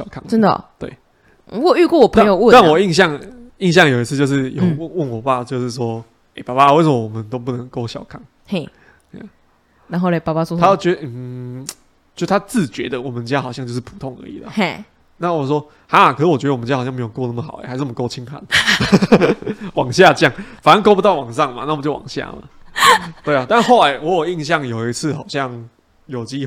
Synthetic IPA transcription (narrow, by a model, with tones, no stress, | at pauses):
ɕjɑ˨ʊkʰŋə˦nd̪ə̰˨t̪wḛ˥˩ɪ˨ | ɔ˥˨y˥˧kwɔ˥˩wɔ˨˩pʰəa˥˦ŋjo˨˦ə˥˨a˥˨nwɔ˨˩i˥˧ŋɕjɑ˥˨˩ŋi˥˧ŋɕjɑ˥˨ŋjo˨ʊi˧t͡s̩ʰ˥˧t͡ɕjo˥˧ʊʂ̬ɻ̩˥˩jwwə˥˩nɔ˨˩pa˥˩t͡ɕjo˧ʊʂɻ̩˥˩s̬wɔ˦˥ | e˥˩ɪpa˨˩pa˧we˥ɪsə˧mɔ˦˧˩wɔ˨˩mə˦nt̪o˥ʊp̬u˥˩nə˧˦ŋko˥ʊɕjɑ˨ʊkʰɑ˨˩˦ŋ | e˥˩˧ | ja̰˨˩ | a˧˦nɦo˥˧le˧˩pa˨˩pa˥˩swɔ˥a˥jʊt͡ɕɥɛ˧˦d̪ə˧n̩˨˩ | t͡ɕjo˥˩st̪ʰa˥t͡sɹ̩˥˩t͡ɕɥɛ˧˦d̪ə˨wɔ˨˩mə˨˦nt͡ɕja˦˥xɑ˨˩ʊɕjɑ˥˧t͡ɕjʊʂ̬̩ʰ˥˩pʰu̥˨˩t̪ʰɔ˥˩ŋə̰˧˦i˨˩lə̰˩˥˩ | na˥˩wɔ˨˩swɔ˦˥ | ha˦˨˩kʰə˨˩s̩˥˩wɔ˨t͡ɕɥd̪ə˧˨m˦t͡ɕja˥˨˩ɕɑ˥˧ŋme˧˥jo˨˩kɔ˥˧˦na˥˩ə˩xɑ˨˩˦ḛ˨˦˩a˧˥ʂnə˨m˨˧ko˥ʊt͡ɕʰi˦ŋpʰa̰˨˦n | wɑ˨˩ŋɕja˥˧˥ja˥˩ŋfa˨˩na˦nko˥pu˧t̪ɑ˥˩ʊwɑ˨˩ŋʂɑ˥˨ŋma̰˨na˥˩wt͡ɕjo˥˩wɑ̰˨˩ŋɕja̰˥˩ma̰˨˩t̪we˥˩ɪa˨˩t̪a˥˧xo˥ʊla˧˦ɪwɔ˧˦˥jo˨˩i˥˧ŋɕ̬jɑ˥˨˩ŋjo˨˩ʊi˧˥t͡s̩ʰ˥˩xɑ˨˩ʊɕjɑ˥˨ŋ | jo˨˩ʊt͡ɕi˦˥